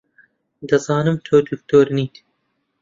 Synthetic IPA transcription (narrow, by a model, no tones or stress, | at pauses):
d̪ɐzɑːnɨmt̪ʰoːd̪uk̚t̪ʰoːɾniːt̪